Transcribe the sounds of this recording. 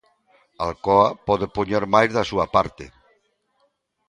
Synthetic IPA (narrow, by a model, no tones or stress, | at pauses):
alkoapɔðepuɲeɾmajzðasuapaɾt̪ḛ